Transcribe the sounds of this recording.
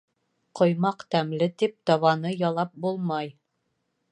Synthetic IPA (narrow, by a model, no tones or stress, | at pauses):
qʰŏjmɑqt̪æmlɘt̪ip̚t̪ɑβɑnɤjɑlˠɑp̚bulˠmɑj